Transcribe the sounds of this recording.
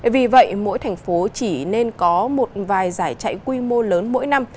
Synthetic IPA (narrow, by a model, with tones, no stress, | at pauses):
vi˨˩və̰˧˨jmo̰˧˥jt̪ʰɛ˨˩jŋ̟fo˨˦t͡ɕi˧˩ne˧nkɔ˨˦mo˨˩t̚vaː˨˩jzaː˧˩jt͡ɕa̰˧˨jkwi˧mo˧ləː˨˦nmo̰˧˥jna˧m